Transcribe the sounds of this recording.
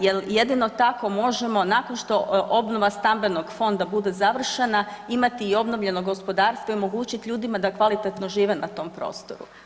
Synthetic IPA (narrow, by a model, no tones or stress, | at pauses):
jelje̞d̪ino̞t̪ako̞mo̞ʒemo̞nakonʃt̪o̞ʔo̞bno̞ʋast̪ambe̞no̞ɡfo̞nd̪abud̪e̞zaʋr̩ʃenaimat̪iːo̞bno̞ʋʎe̞no̞ɡo̞spo̞d̪aːɾst̪ʋoiomo̞ɡuːt͡ɕit̪ʎuːd̪imad̪akʋalit̪et̪no̞ʒiːʋe̞nat̪o̞mpɾo̞̰ːst̪oɾṵ